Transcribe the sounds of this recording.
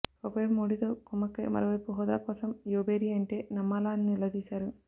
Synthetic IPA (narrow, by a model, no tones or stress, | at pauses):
ɔkɐʋɐjmoːɽit̪o̞ːkumːɐkɐ̰mɐ̰ɾɐʋɐjpuɦɔːd̪a̰ːkɔːsɐmjoːbeːɾiːɐɳʈe̞ːnɐmːaːlaːninilɐd̪iːsaːɾu